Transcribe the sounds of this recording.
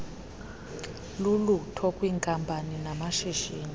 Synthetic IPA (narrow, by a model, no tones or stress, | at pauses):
lulutʰɔkʼwiːŋkʼampʼaninamaʃiʒiːni